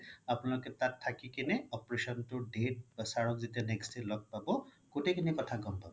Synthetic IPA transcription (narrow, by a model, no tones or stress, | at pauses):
apʊnalʊkɛtatʰːakikinɛɔpɹesɔntʊdet̚basaɹɔkzitanɛkstelɔɡ̚pabɔ | kotekʰinikɔtʰaɡɔmpabɔ